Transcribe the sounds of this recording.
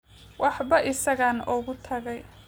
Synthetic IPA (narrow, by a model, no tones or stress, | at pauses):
wɑħbɐʔɪsɐɣaːnɔɣʊt̪ʰɐɣɛj